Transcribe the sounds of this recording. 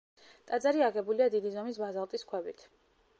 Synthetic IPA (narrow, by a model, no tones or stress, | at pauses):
t̪ʼad̪zaɾiaɡɛbuliad̪id̪izɔmisbazalˠt̪ʼiskʰwɛbit̪ʰ